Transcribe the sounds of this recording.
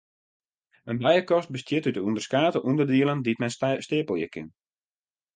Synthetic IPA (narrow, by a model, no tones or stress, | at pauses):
ənbɛjəkɔst̚bəstjɪtytəundərskaːtəʔundədiəlˠəndiətmɛstɪəpəlˠjə̰kʰɪ̰n